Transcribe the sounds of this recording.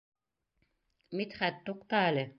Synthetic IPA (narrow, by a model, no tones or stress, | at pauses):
mit̪χæt̪ːuqt̪ɑːlʲɘ